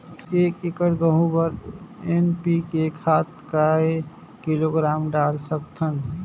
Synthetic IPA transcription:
eːkikəɾɡəɦũbəɾenpikekʰat̪kae | kiloɡɾaːmɖalsəkt̪ʰən

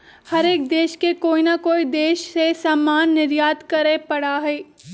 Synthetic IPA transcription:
hɐɾeːk̚d̪eːʃkekoːinakoːid̪eːʃsesaːmːaːnːɪɾjaːt̪kɐɾepɐɽaɦɛː

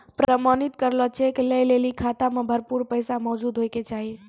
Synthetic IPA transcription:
pɾəmanit̪kəɾlɔt͡ʃʰekeləjlelikʰat̪amẽbʱəɾpuɾpəjsamɔd͡ʒud̪ɦojket͡ʃaɦi

